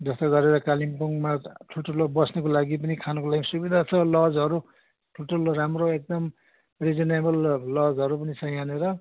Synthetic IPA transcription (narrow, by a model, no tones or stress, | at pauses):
d͡zʌst̪ʌɡʌɾeɾʌkalimpuŋmaʈʰuʈʌlobʌsnekolaɡipʌnikʰanʌkolaɡimsubid̪ʱat͡sʰʌlʌd͡zɦʌɾu | ʈʰuʈʌlɾamroek̚d̪ʌm | red͡zinebʌllʌd͡zɦʌɾup̬ʌnisʌj̃aneɾʌ